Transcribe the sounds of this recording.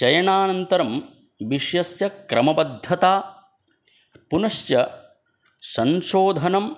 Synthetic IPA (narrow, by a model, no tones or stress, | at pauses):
t͡ʃɐjɐɳaːnɐnt̪ɐɾɐm | ʋiʃjɐsjɐkɾʔɐ̰mɐbɐd̪ʱːɐt̪aː | punɐʃjɐ | sɐnʃoːd̪ʱɐnɐm